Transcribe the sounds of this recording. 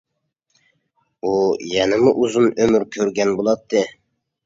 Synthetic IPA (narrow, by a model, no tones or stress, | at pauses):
ujɛnɪmuʔuzunømyɾkʲʰøɾɡʲɛnbolˠɑt̪ʰːɨ